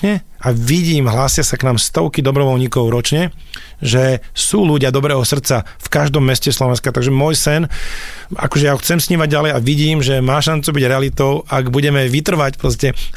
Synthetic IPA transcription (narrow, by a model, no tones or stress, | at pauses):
ɲɛ | aʋiɟiːmɦlaːsɪasaknaːmst̪ɔʊkid̪ɔbɾɔʋɔlɲikɔʊɾɔt͡ʃɲɛ | ʒɛsuːluɟɪad̪ɔbɾɛːɦɔsr̩t̪t͡sa | fkaʒd̪ɔmːɛscɛslɔʋɛnskat̪aɡʒɛmɔjsɛn | a̰kɔʒɛjauxt͡sɛmsɲiːmaɟ̚ɟalɛjaʋiɟiːmʒɛmaːʃant͡subiɟɾɛalit̪ɔʊaɡbuɟɛmɛʋit̪r̩ʋacpɾɔs̬cɛ